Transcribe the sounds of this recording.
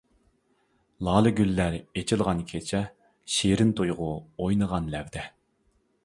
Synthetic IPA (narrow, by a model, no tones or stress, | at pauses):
lˠɑːlˠɨɡʲylːæɾet͡ʃʰɪlˠʁɑnkʲʰet͡ʃʰɛ | ʃeɾɪnt̪ʰojʁʊojnəʁɑnlɛvd̪ɛ